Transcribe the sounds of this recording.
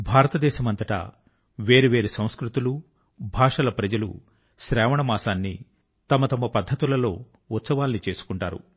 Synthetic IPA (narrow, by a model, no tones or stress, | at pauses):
bʱaːɾɐt̪ɐd̪ɛːʃɐmɐnt̪ɐʈɐ̰ | ʋe̞ːɾeʋe̞ːɾusɐ̃w̃skɾut̪ulu | bʱaːʂɐlɐpɾɐd͡ʒɐlṵ | ʃɾɛːʋɐɳɐmaːsaːnːi | t̪ɐmɐt̪ɐmɐpɐd̪ʱːɐt̪ulɐlo̞ː | ut̪sɐʋaːlnit͡ʃe̞ːsu̥kuɳʈa̰ːɾṵ